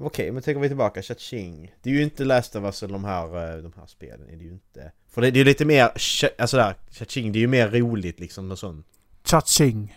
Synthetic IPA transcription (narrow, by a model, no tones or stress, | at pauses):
ʊkʰɛjmɛnt̪ʰɛŋkːəɾʋɪt̪ʰɪlbɑːkaɕat̪sɪŋd̪ɛæːjɵɪnt̪əlæːst̪əvasɛld̪ɔmɦæːɾd̪ɔmhæ̰ːɾspḛːlə̰nʔæ̰ɖɛjʉɪnt̪ə | fœɖɛd̪ɛjɵliːt̪əmeːɾʔalsɔd̪æːɾɕat̪ʃɪŋːd̪ɛæɾjɵmeːɾːuːlɪt̪lɪksɔmnɛnsɔnː | ɕat̪ʃɪŋ